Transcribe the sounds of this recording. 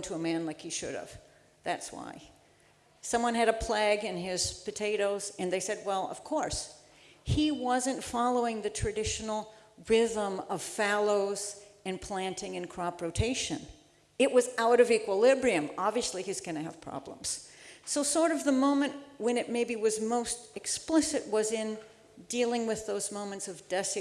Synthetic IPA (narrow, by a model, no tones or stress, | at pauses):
ntʰəəmæ̃nlaɪkhiʃʊ̰ɾʌ̰v̥ | ðætswa̰ɪ | sʌ̃mwʌ̃nɨɾɨpʰl̥æɡɨ̃nɪz̥pɨtʰeɪɾoʊzɨ̃nðeɪsɛd̚wɛlˠʌ̰v̥kʰɔɹs | hiwʌzɨ̃ntfɑlˠoʊɪ̃ŋðɨtʰɹ̥ɨdɪʃn̩l̩ˠɹɪðə̃mʌv̥fælˠoʊzɨ̃npʰl̥æ̃ntɪ̃ŋɨ̃nkʰɹ̥ɑpɹoʊtʰeɪʃɨ̰̃n | ɨʔ̚wʌzaʊɾʌvikwəlɪbɹiɨ̃mɑbviɨsliizɡʌñɨə̰v̥pʰɹ̥ɑ̰blə̰̃mz̥soʊsɔɹɾʌvðəmõʊ̃mɨ̃nʔwɨ̃nɨt̚meɪbiwʌzmoʊstɨksplɪsɨt̚wʌzɪ̃n | dilˠɪ̃ŋwɨðoʊzmõʊ̃mɨ̃ntsʌvdɛs